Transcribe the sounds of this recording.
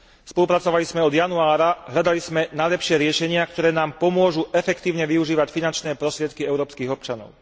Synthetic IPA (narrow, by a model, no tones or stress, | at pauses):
spɔlupɾat͡sɔʋalizmɛɔd̪januaːɾaɦʎad̪alizmɛnaʎɛpʃɪɛɾɪɛʃɛɲɪak̚t̪ɔɾɛːnaːmpɔmʊɔʒuʔɛfɛkt̪iːʊɲɛʋiuʒiːʋacfinant͡ʃnɛːpɾɔst̪ɾɪɛt̪kiɛʊɾɔːpskiːɣɔp̚t͡ʃanɔ̰ʊ